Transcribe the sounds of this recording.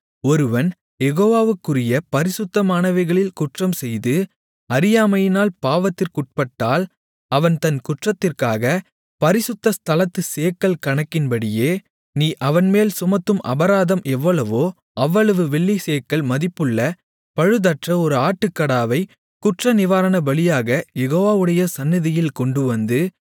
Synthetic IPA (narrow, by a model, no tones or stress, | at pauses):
ɔɾɯʋɐn | jɛɣoːʋaːʋɯkːɯrɪjɐpɐɾɪsʊt̪ːɐmaːɳɐʋɐɪɣɐɭɪlkʊʈrɐmsɛjðɯ | ɐɾɪjaːmɐjɪnaːlpaːʋɐt̪ːɪrkʊʈ̚pɐʈːaːl | ɐʋɐnt̪ɐnkʊʈrɐt̪ːɪrkaːɣɐ | pɐɾɪsɯt̪ːɐst̪ʰɐlɐt̪ːɯseːkːɐlkɐɳɐkːɪnbɐɽɪjeː | niːʔɐʋɐnmeːlsʊmɐt̪ːɯmʔɐ̰bɐɾaːðɐmʔɛʋːɐɭɐʋoː | ʔɐʋːɐɭɐʋɯʋɛɭːiseːkːɐɭmɐðɪpːɯɭːɐ | pɐɻɯðɐʈrɐɔɾɯaːʈːɯkːɐɽaːʋɐɪ | kʊʈrɐnɪʋaːɾɐnɐbɐɭɪjaːɣɐjɛɣoːʋaːʋɯɽɐjɐsɐnːɪðɪjɪlkɔɳɖɯʋɐnd̪ɯ